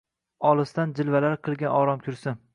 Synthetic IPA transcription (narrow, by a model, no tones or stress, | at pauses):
ɒlˠɨst̪and͡ʒɪlvalaɾqʰɨlˠɡʲanɒɾɒmkʲʰʊɾsɪn